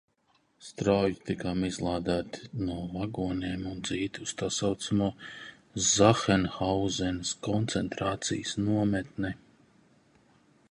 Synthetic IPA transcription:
st̪ɾajit̪ikamizlˠaːd̪æːt̪nuɔlˠaɡuɔɲeːmund̪ziːt̪ust̪asawt̪samuɔ | zaxɛnxawzɛnskɔnt̪sɛnt̪ɾaːt̪sḭjəsnuɔmɛt̪nɛ

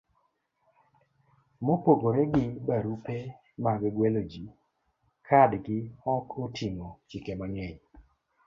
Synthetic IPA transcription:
mopoɡoɾɛɡɪbaɾupe | maɡɡwɛlod͡ʒi | kʰadɡɪɔkʰotʰimot͡ʃɪkemaŋɛɲ

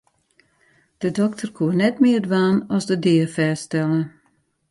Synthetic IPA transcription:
d̥ədɔktʰərkʰuənɛtmɪərdʋaːnɔsdədɪəfɛːstɛlˠə

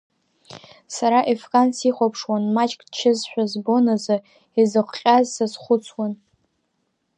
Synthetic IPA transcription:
saɾaʔefkʼansiχʷapʰʂwanmat͡ʃʼkʼt͡ʃʰɪzħʷᶣazbo̞nazɨ | izɨqʷqʲʼazsasχʷʊt͡sʰwan

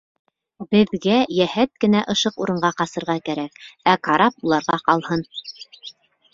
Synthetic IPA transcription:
bɘ̆ðɡæjæhæt̪̚kɘ̆næʔɤ̆ʃɤquɾɤ̆ɴɢɑqɑsɤ̆ɾʁɑkæɾækækɑɾɑp̚ulˠɑɾʁɑqɑlˠhɤn

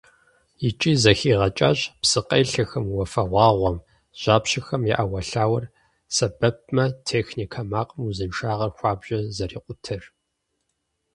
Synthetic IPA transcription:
it͡ʃʼiːzɐxiːʁɐt͡ʃʼa̰ːɕpsɨqɐjɬɐxɐmwɔfɐʁʷɑːʁʷɔm | ʒ̥aːpɕɪxɐmjḭʔawɐɬaːwɐr | sɐbɐp̚mɐtʰeːxnikʰɐmaːqʼmuzɨnʃaːʁɐrxʷɑːbʒɐzɐriːqʷʼʊtʰɨr

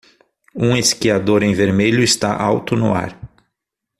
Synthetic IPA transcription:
ũeskiad̪oɾẽj̃veɾmeʎʊɪst̪aʔawt̪ʊnʊ̰a̰ɾ

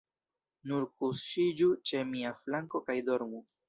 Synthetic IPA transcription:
nuɾkusʃid͡ʒut͡ʃe̞miaflaŋko̞kajdo̞ɾmu

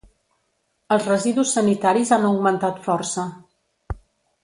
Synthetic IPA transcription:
əlˠzrəziðusːənit̪aɾizanəuɡmənt̪at̪fɔrsə

